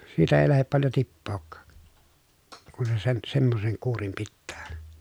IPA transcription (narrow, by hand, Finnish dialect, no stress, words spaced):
siːtæ eˑi læhep pɑljo tipːoːkːɑːk kun se sen semːoseŋ kuːrim pitːæː